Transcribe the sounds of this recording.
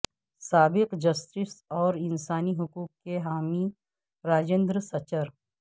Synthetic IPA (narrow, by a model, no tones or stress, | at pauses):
saːbɪqd͡ʒɐsʈɪsɔːɾɪnsaːniɦʊkuːk̚keɦaːmi | ɾaːd͡ʒẽːnd̪ɾəsɐt͡ʃəɾ